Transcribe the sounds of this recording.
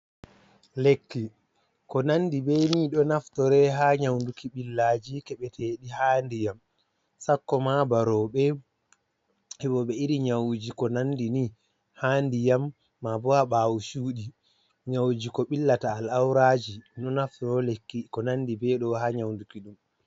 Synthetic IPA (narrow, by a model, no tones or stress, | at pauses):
lekːi | kɔnanːdibɛniɗɔnaftɔɾɛɦaɲawndukiɓilːaːd͡ʒikɛɓɛtʰeɗihaːndijam | sakːɔmabaɾɔɓɛ | ɛɓɔɓɛiɾiɲawd͡ʒikɔnandini | haːndijamː | abɔhaɓaːwuʃuːɗi | ɲawd͡ʒikɔɓilːataːlawɾad͡ʒinɔnaftɾɔlekːikɔnandibɛɗɔhaɲawndukiɗum